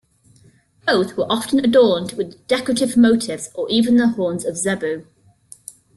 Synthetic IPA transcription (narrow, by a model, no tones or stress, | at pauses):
b̥oʊθwəɹʔɒftə̃nədɔːndwɪðd̥ɛkɹətɪvməʊtʰɪvz̥əɹiːvə̃nðəhɔːnzəvzɛbʉː